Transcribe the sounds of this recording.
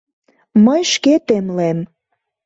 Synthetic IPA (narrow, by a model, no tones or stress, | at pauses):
məjʃket̪emlem